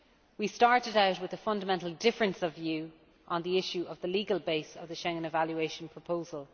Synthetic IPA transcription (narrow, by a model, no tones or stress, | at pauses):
wistɑɹɾɪɾaʊtwɪðəfʌ̃ndəmɛ̃ntˡl̩ˠdɪfɹə̃nsəvjʉː | ʔə̃nðiɪʃuʔəvðəliːɡəlˠbeɪsəvðəʃɛ̃ŋə̃nɪvaljueɪʃə̃npʰɹ̥əpʰoʊzəlˠ